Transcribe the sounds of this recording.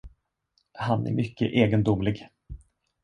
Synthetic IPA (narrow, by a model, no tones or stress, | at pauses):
hanæ̰ɾmʏkːə̰ʔeːɡənd̪ʊmlɪɡ